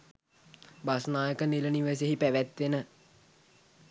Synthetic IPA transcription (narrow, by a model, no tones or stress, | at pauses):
basnaːjəkəniləniʋes̬eɦipæʋæt̪ʋenə